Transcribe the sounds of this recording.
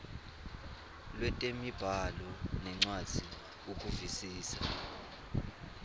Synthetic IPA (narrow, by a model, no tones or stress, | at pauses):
lwɛtʼemib̥ʱalɔnɛŋ͡ǀwad̥z̥ʱi | uk̬ʼuvisiːsa